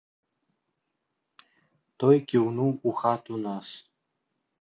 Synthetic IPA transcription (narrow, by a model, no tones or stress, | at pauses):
t̪ojkʲiwnuuxat̪unas